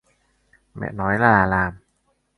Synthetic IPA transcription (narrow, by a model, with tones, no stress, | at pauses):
mɛ̰˨˩nɔː˦˥jlaː˧laː˧laː˧m